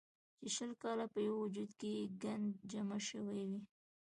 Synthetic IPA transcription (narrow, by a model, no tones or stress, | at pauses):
t͡ʃeʃəlkɑlapəjawwʊd͡ʒud̪kejeɡand̪d͡ʒamaʃəwajwi